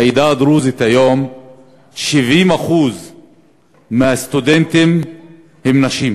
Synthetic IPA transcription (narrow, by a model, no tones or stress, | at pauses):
id̪ad̪ɾuzit̪ajom | ʃivʔimaχuz | meast̪ud̪ent̪em | hemnaʃim